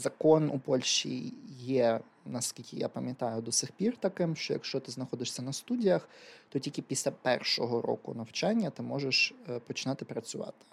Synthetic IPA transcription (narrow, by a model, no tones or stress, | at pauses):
zɐkɔnṵpɔlʲʃt͡ʃḭjɛ | nɐskʲilʲkʲɪja̰pɐmʲjɐt̪ɑjʊd̪ɔsʲɪxpʲirt̪ɐkɪmʃt͡ʃɔjɐ̰kʃt͡ʃɔt̪ɪznɐxɔd̪ɪʂsʲɐnɐst̪udʲijɐxt̪ɔtʲilʲkʲɪpʲisʲlʲapɛrʃɔɦɔɾɔ̰kʊ̰nɐwt͡ʃɑnʲːɐt̪ɪmɔʒeʃpɔt͡ʃɪnɑt̪ɪpɾɐt͡sʲʊʋɑ̰t̪ɪ̥